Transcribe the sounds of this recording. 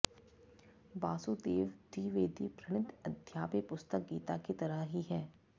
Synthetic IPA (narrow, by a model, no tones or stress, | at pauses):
baːsud̪eːʋd̪iːʋeːd̪ʱipɾɐɽ̃ɪd̪ɐd̪ʱjaːpepʊst̪ək̚ɡḭːt̪aket̪ɐɾəɦɦiɦɛː